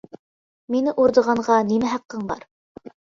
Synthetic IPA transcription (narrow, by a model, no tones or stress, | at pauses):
minɪʔuɾd̪ɤ̆ʁɑɴʁɑnimæɦɑqːɤɴbɑ̰ɾ